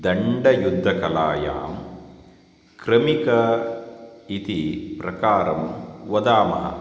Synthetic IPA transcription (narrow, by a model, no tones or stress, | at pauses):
d̪ɐɳɖɐjud̪ʱːɐkɐlaːja̰ːm | kɾɐmikɐ | it̪ipɾɐkaːɾɐmʋɐd̪aːmɐɦɐ̰